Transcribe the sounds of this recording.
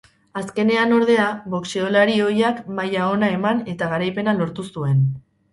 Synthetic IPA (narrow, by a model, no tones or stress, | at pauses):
aske̞ne̞ano̞ɾðe̞aβo̞kseo̞laɾio̞jakmajao̞nae̞mane̞t̪aɣ̞aɾajpe̞nalo̞ɾt̪usue̞n